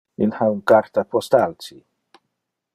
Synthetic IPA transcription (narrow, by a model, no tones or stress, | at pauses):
inhawnkaɾt̪apʰɔst̪alti